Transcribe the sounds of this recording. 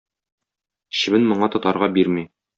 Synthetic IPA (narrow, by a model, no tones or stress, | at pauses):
ɕɘ̆bɘnmŏɴɑt̪ɒt̪ɑɾʁɑbiɾmi